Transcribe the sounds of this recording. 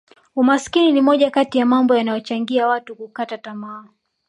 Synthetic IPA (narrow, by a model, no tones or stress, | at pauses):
umaskininimɔʄakatijamambɔjanajɔt͡ʃaŋɡiawatukukatatamaː